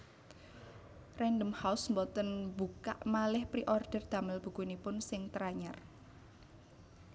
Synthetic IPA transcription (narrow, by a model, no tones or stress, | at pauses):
rɛndəmhaʊsmbɔt̪ənbuka̰ʔmalɪhpɾiʔɔrd̪̥ərd̪̥a̤mɪlb̥ṳkunipʊnsɪŋt̪ɾaɲar